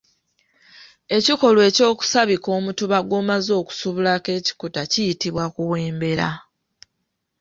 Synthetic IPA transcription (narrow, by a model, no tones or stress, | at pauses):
e̞ciko̞lwe̞ːco̞ːku̥saβiko̞ːmutuβaɡwo̞ːmazo̞ːku̥suβulake̞ːci̥kutacijitiβwakuβwe̞ːmbe̞ɾa̰